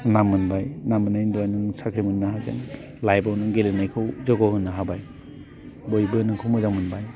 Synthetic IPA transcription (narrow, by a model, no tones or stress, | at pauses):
namːɯnbajnamɯnajnduajnɯŋsakʰɾimɯnːaɦazɯ̰n | lajbawnɯŋɡelenajkʰɯwzɔɡɔhɯnːɯɦabaj | bojbɯnɯŋkʰowmuzaŋmɯnbaj